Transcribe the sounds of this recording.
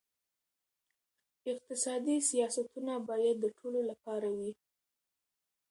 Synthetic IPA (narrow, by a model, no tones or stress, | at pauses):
ɪq̚t̪ɪsɑd̪isijɑsat̪unabɑjad̪ːəʈʰololapɑɾawi